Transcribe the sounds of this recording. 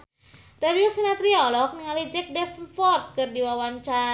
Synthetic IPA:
daɾiəlsinat̪ɾiɔlɔk̚nəŋalid͡ʒɛk̚dɛfnfɔrt̪̚kɨrdiwawaɲt͡ʃa

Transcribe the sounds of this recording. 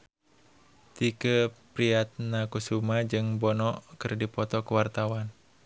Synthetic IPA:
t̪ikəpɾiat̪̚nakusumad͡ʒɨŋbɔnɔkɨrdipɔt̪ɔkəwart̪awan

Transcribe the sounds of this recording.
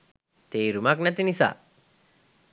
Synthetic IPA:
t̪eːɾumaknɐt̪inisa̰

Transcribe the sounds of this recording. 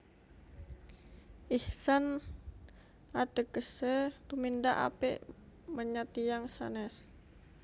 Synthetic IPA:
ʔihsan | at̪əkəsət̪umindaʔa̰pɛ̰ʔməɲat̪ijaŋsa̰nɛs

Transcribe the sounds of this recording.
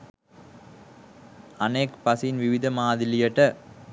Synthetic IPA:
ɐneːkpɐsɪnʋɪʋɪðɐmaːðɪlɪjɐʈːɐ

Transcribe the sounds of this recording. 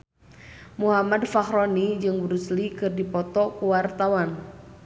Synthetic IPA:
muɦamadfakɾɔnid͡ʒɨŋbɾuslikɨrdipɔt̪ɔkuwart̪awan

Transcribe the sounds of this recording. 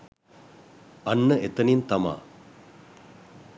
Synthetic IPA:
anːəet̪ənint̪ama̰ː

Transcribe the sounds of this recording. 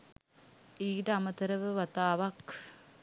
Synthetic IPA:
iːʈəamət̪əɾəʋəʋat̪aːʋak

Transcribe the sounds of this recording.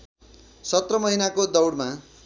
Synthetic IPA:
sʌt̪rʌmʌɦinakod̪ʌwɽma

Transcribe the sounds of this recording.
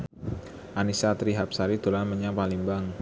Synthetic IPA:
ʔanisat̪ɾiɦap̚saɾid̪̥olanməɲapaliŋbaŋ

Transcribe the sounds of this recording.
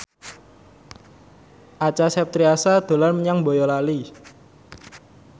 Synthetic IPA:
ʔat͡ʃasɛp̚t̪ɾiasad̪̥o̤larməɲaŋbojɔlali

